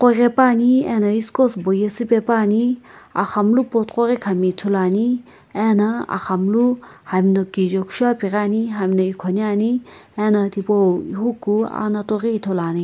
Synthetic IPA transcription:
qorʲepaːniɛnɐiskosbojɐsipepaːnia̰xɐmlupot̪qoɾekʰɐmit̪ʰulaːni | ɛnɐa̰xɐmluhɐmnokid͡ʒokʃaːpiɾaːniɦɐmʲnɐikʰonjaːniɛnɐt̪ipoḭɦukːua̰nɐt̪orit̪ʰolaːni

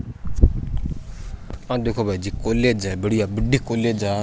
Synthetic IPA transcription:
ãːd̪eːkʰoːbʱaːid͡ʒiːkoːleːd͡ʒɛbəɽijabəɖiːkoːleːd͡ʒaː

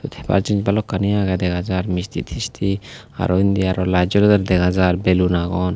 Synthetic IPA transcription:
t̪ut̪ʰɛ̥ba̰ɾt͡ʃind͡ʒbalɔkːanijaɡad̪ɛɡad͡ʒaɾmist̪ʰḭt̪ʰist̪ʰi | a̰ɾɔind̪iaɾɔlad͡ʒɔɾɔd̪ɛɾd̪ɛɡad͡ʒaɾbɛlunaɡɔn

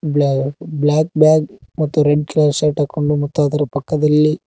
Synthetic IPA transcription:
bblaːk̚bjaːɡmɐt̪ːuɾeɖklaːseʈaːkoɳɖumɐt̪ːuɐd̪ɐɾɐpɐkːɐd̪ɐlːi

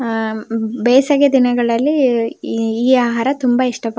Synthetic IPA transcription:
bɛːsɐɡed̪inɐɡɐɭɐlːiː | aːɦaːɾɐt̪umbɐiʂʈɐp

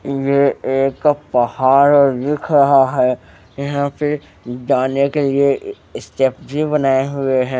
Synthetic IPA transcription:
jeeːkkːapɐhaːɾɔːɾːɪkʰɾɐɦaɦɛː | jɐɦãpɪɾ | d͡ʒaːnekelie | ɪsʈeːp̚bʱibɐnaːeɦʊeɦɛ̃ː

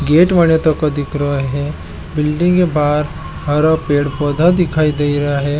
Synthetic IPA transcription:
ɡeːʈʋɐɳjət̪õkod̪ɪkʰɾɐɦɛː | bɪlɖɪ̃ŋkebaːɾ | ɦɐɾapeːɽpɔːd̪ʱad̪ɪkʰaːid̪eːiɾɐɦaɦɛː

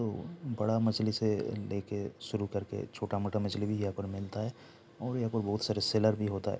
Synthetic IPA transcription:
t̪obɐɽamɐt͡ʃliseleːkeʃʊɾukɐɾkḛt͡ʃʰoːʈamɐʈamɐt͡ʃlibʱijɐɦãpəɾmɪlt̪aɦɛː | ɔːɾjɐɦãpəɾbɐɦʊt̪saːɾeseləɾbʱiɦoːt̪aɦɛ̰ː

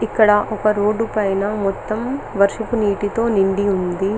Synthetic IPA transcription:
ikːɐɽɐʔɔkɐɾoːɖupɐjnɐmɔt̪ːɐmʋɐɾʂɐpuniːʈit̪o̞ːniɳɖiund̪i

